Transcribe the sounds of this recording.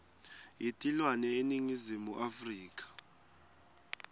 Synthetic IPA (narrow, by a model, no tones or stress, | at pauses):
jitʼilwanɛeniŋizimuʔafriːkʼḁ